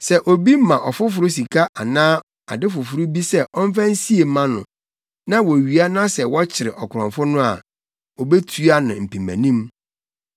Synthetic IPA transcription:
sɛ˨ʔo˨bi˦m̩˦mã˨ʔɔ˨fʊ˦f̬ʊ˨ɾʊ˦s̬i˨kʰa˦ʔa˨nãː˦ | a̰˨dɪ˦fʊ˨fʊ˨ɾʊ˦bi˦sɛ˦ʔɔ˦m̩˦fã˦n̩˦si˦e˨˦mã˦nʊ̰̃˨ | nã˦wɔ˨ɥi˨a˦nã˦sɛ˨wɔ˦t͡ɕʰɪ˨ɾɪ˨ʔɔ˨kʰʊ˨ɾɔ̃˨mfʊ˦nʊ̃˦a̰˨ | o˨be˦tʰu˦a˦nʊ̃˨m̩˨pʰĩ˨mæ̰̃˨nĩ˦m

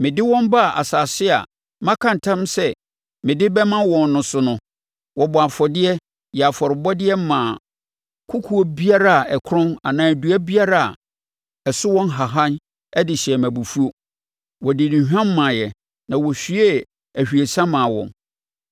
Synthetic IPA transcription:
mɪ̃˨dɪ˦wɔ̃˦mba˦˨ʔa̰˨sa˨sɪ˦a̰˨ | mã˦kʰã˦n̩˨tʰã˦msɛ˦ | mɪ̃˨dɪ˦bɛ˦mã˦wɔ̃˨nːʊ̃˨sʊ˦nʊ̃˦ | wʔɔ˨bɔ˨a˨fɔ˨dɪ˦ɛ˦ | jɛ˨a˨fɔ˨ɾɪ˨bɔ˦dɪ˦ɛ˦m˦mã˨ | kʰʊ˦kʰu˦o˦bi˦a˦ɾa˦a˨ɛ˨kʰɾʊ̃˦na˨nãː˨du˨˦æ˦bi˦a˦ɾa˦a̰˨ | ɛ˨sʊ˦wɔ̃˦nɦa˨ɦã˦n | ɛ˦dɪ˨ɕɛ˨mæ̃˨bu˨fu˦o˦ | wɔ˨dɪ˨nĩ˨ɦᶣã˦m̩ː˦ã˨jɛ˨ | nã˨wɔ˨ɕᶣi˦e˦ | æ˨ɕᶣi˨e˨sã˦mã˨wɔ̰̃˨n

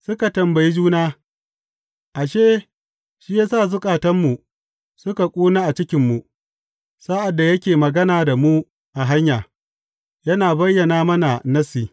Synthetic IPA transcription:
sʊ˦ka˨tɐ˨mbɐ˨ji˦d͡ʒuː˦naː˦ | ʔa˨ʃeː˦ | ʃi˦jaː˦saː˦˨zʊ˦kʼaː˨tɐ˦mːu˨ | sʊ˦ka˨kʷʼuː˦naː˦ʔa˨t͡ʃɪ˦kʲɪ˨mːu˨ | sa˦ʔa˨dːa˨jɐ˦kʲeː˨mɐ˨ɡɐ˦naː˨da˨mu˦ | ʔa˨ɦa˦ɲjaː˨ | jɐ˦naː˨bɐ˦jːɐ˨naː˦mɐ˦na˨nɐ˦siː˨

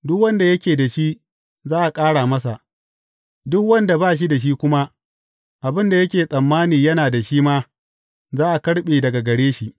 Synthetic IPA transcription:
dʊ˦kwɐ˦nda˨jɐ˦kʲeː˨da˨ʃi˦ | zaː˦ʔa˨kʼaː˦ɽaː˨mɐ˦s̬a̰˨ʔ | dʊ˦kwɐ˦nda˨baː˦ʃ̬i˦da˨ʃ̬i˦kʷʊ˦ma˦ | ʔa˨bɪ˦nda˨jɐ˦kʲeː˨sʼɐ˨mːaː˦niː˨jɐ˦naː˨da˨ʃiː˦maː˦ | zaː˦ʔa˨kɐ˦ɽɓeː˨dɐ˨ɡa˨ɡɐ˨ɽeː˦ʃi˨ʔ

